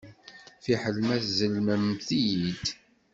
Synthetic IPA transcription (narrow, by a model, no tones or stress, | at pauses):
fiħəlmæθzəlməmθijid̪